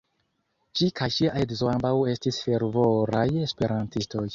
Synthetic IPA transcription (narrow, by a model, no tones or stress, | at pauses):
t͡ʃikʰajt͡ʃiaedizoambawe̞stisfe̞ɾvoɾaje̞spe̞ɾantisto̞j